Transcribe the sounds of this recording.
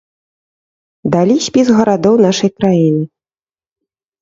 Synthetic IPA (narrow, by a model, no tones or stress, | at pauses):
d̪alʲisʲpʲizɣɐɾad̪ɔwnaʂɐjkɾajinɨ